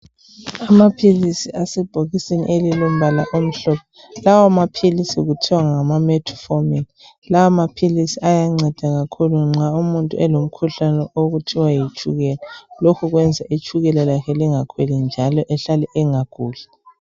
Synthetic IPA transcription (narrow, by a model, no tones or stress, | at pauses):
amapʰilisiasɛb̥ʱoɣisenḭʔelilom̩balaʔom̩ɬɔpʰɔ | lawamapʰilisiɣutʰiwaŋamamɛtʰɔ̥fomili | lawamapʰilisiajaŋ͡ǀɛd̥ʱaɣakʰuluŋ͡ǁʱaumuntʼṵɛlom̩kʰuɬanɛʔoɣutʰiwajit͡ʃʰʼuɣɛlalokʰuɣwɛnd͡zʱaʔit͡ʃʼʰuɣɛlalakʰɛliŋakʰwɛlind͡ʒʱalɔʔɛɬalɛʔɛŋakuːɮɛ